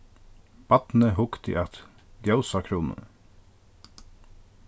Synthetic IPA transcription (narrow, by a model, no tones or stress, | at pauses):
b̥ɑt̪n̩əhʊkt̪ḭːʔɑt̪ | ɡjɑʊsɑkʰɾuːnə̰